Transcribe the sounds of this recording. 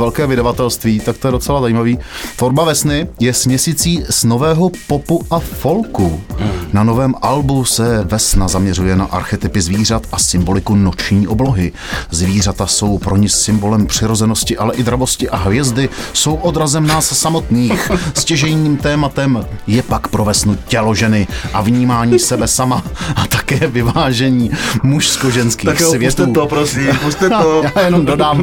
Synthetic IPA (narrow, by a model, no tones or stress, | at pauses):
vɛlkɛːvɪdavat̪ɛlst̪viːt̪akt̪o̞jɛdo̞t͡sɛlazajiːmaviːfoɾbavɛsnɪjɛsmɲɛsiːt͡siːzno̞vɛːɦo̞po̞puʔafo̞lkunano̞vɛːmʔalbusɛvɛsnazamɲɛrujɛnaʔaɾxɛt̪ɪpɪzviːr̝at̪ʔasɪmbo̞lɪkuno̞t͡ʃɲiːʔo̞blo̞ɦɪ | zviːr̝at̪aso̞wpɾo̞ɲɪsɪmbo̞lɛmpr̝̥ɪɾo̞zɛno̞scɪʔalɛʔɪdɾavoscɪʔaɦvjɛzdɪso̞wʔo̞dɾazɛmnaːssamo̞t̪niːxscɛʒɛjɲiːmt̪ɛːmat̪ɛmjɛpakpɾo̞vɛsnucɛlo̞ʒɛnɪʔavɲiːmaːɲiːsɛbɛsamaat̪akɛːvɪvaːʒɛɲiːmuʃsko̞ʒɛnskiːxsvjɛst̪t̪ɛuːopɾosiːmust̪ɛojaːjɛnomdodaːm